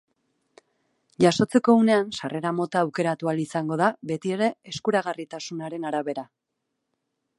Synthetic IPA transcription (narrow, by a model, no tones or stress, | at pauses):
ʝaso̞t͡se̞ko̞une̞ansare̞ɾamo̞t̪aːwke̞ɾat̪ualisaŋɡo̞ðaβe̞t̪ie̞ɾe̞eskuɾaɣ̞arit̪asunaɾe̞naɾaβe̞ɾa